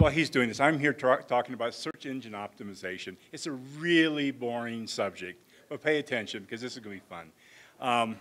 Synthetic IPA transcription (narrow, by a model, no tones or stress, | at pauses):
wɛlˠizdʉɪ̃ŋðɪsãɪ̃mɦiɹtʰtʰɔkɪ̃ŋəbaʊtsɜ˞t͡ʃɪ̃nd͡ʒɨ̃nɑp̚tɨmɨzeɪʃɨ̃nɨtsɨɹɪlˠibɔɹɪ̃ŋsʌb̚d͡ʒɪk̚t̚ | b̥ʌt̚pʰeɪɨtʰɛ̃nʃɨ̃nbɨkʰʌzðɪsɨzɡʌnɨbifʌ̰̃n | ʌ̃m